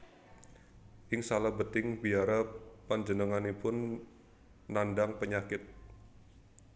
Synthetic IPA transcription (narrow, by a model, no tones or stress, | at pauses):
ʔɪŋsalabət̪ɪŋbiaɾapand͡ʒənəŋanipʊnː | andaŋpəɲakɪt̪̚